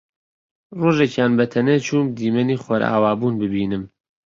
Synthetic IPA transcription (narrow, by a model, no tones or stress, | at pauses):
roːʒekjaːnbɐt̪ʰɐnet͡ʃʰuːmd̪iːmɐniːχoɾa̰ːwaːbuːnbɨbiːnɨm